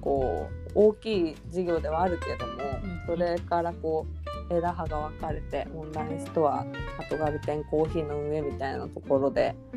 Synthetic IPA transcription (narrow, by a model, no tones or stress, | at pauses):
ko̞ː | oːkʲiː | d͡ʑiɡʲo̞ːd̪e̞β̞aːɾɯ̟ke̞d̪o̞mo̞so̞ɾe̞kaɾako̞ːe̞d̪aɦaɡaβ̞akaɾe̞t̪e̞õndãɲĩçi̥t̪o̞βa̰at̪o̞ɡaɾɯ̟t̪ẽ̞ŋko̞ːçiːno̞ɯ̟ɰe̞mʲit̪ainat̪o̞ko̞ɾo̞d̪e̞̰